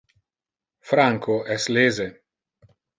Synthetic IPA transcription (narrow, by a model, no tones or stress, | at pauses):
fɾaŋkʰoʔɛsleːze